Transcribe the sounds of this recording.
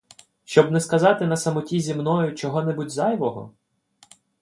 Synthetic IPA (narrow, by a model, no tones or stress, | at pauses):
ʃt͡ʃɔbnɛskɐzɑt̪ɪnɐsɐmɔtʲizʲimnɔjʊt͡ʃɔɦɔnɛbutʲzɑjʋɔɦɔ̰